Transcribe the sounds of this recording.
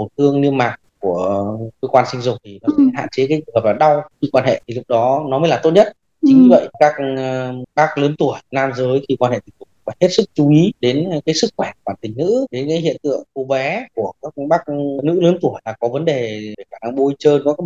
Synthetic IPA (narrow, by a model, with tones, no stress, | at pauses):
mo˨˩t̚t̪ʰɨ˧əŋni˧əmaː˨˩k̚ku˧˩əkəː˧˦˧kwaː˧nsï˧ŋ̟zʊ˨˩k͡pŋ͡m̚t̪ʰi˨˩nɔ˨˦˧ɦa̰ː˧˨nt͡ɕe˨˦kaː˨˦jɨ˧˩ɦəː˨˩p̚laː˨˩ɗa˧wxi˧kwaː˧nhḛ˧˨t̪ʰi˨˩lʊ˦˥k̚ɗɔ˨˦nɔ˨˦məː˨˦jlaː˨˩t̪o˦˥t̚ɲə˦˥t̚ | t͡ɕi˨˧ɲ˧və̰˧˨jʔkaː˦˥k̚ | ɓaː˦˥k̚ləː˨˦nt̪u˧˩əjnaː˧mzəː˨˦jxi˧kwaː˧nhḛ˧˨˩t̪ï˨˩ŋ̚t̪ʊ˨˩˧vaː˨˩he˦˥t̚sɨ˦˥k̚t͡ɕu˨˦i˨˦ɗe˨˦nkaː˨˦jsɨ˦˥k̚xwɛ˧˩kwaː˧˩nt̪ï˨˩ŋ̟nɨ̰˧˥ɗe˨˦nkaː˨˦jɦḭ˧˨ənt̪ɨ̰˧˨əŋko˨˧˩vɛ˨˦ku˧˩əkaː˦˥k̚ɓaː˦˥k̚nɨ̰˧˥ləː˨˦nt̪u˧˩əjlaː˨˩kɔ˨˦və˨˦nɗe˨˩e˧˩xaː˧˩na˧ŋɓo˧jt͡ɕəː˧nkɔ˨˦k